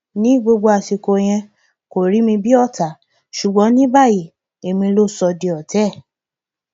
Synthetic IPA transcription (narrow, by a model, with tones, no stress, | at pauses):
nĩ˨˦ɡ͡bo˧ɡ͡bo˧a˧ʃi˧ko˧j̃ɛ̃˧ | ko˨ɾi˨˦mĩ˧bi˦ɔ˦˨ta˨ | ʃu˨ɡ͡bɔ̃˨˦nĩ˦ba˦˨ji˨ | e˨mĩ˧lo˦˨sɔ˧di˧ɔ˨tɛ˦˨